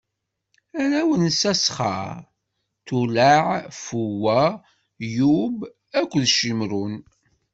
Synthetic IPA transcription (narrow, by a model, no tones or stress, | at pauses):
æɾæwənsæsχə̰ | t̪ulaʕfuwæ | jub | ækʷːðʃimɾun